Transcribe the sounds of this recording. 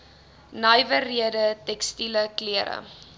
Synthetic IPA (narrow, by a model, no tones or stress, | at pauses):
nɐjvəriədətɛkstiləkliəɾə̰